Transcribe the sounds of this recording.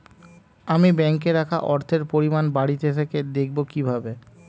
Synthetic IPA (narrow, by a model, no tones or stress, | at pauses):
amibɛŋkeɾakʰa̰ʔɔɾt̪ʰeɾpoɾimanbaɽit̪et̪ʰeked̪ek̚ʰbokibʱabe